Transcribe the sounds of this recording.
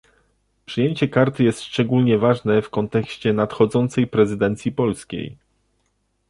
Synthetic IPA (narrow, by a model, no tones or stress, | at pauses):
pʂɘjeɲt͡ɕɛkaɾt̪ɘjɛst̪ʂt͡ʂɛɡulɲɛvaʐnɛfkɔnt̪ɛkɕt͡ɕɛnat̪xɔd̪zɔnt̪sɛjpɾɛzɘd̪ɛnt̪sʲjipɔlskʲḛj